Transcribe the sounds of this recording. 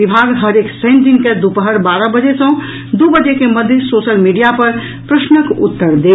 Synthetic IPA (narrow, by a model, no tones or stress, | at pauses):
ibʱaɡɦəɾeksɛ̃ɪnʈɪ̃ŋɡked̪upəɦəɾbaːɾəbəd͡ʒesə̃ | d̪ubəd͡ʒekeməd̪ʱjəsoːʃəlmiɖijapəɾ | pɾəʃnəkʊ̰t̪ːəɾd̪eː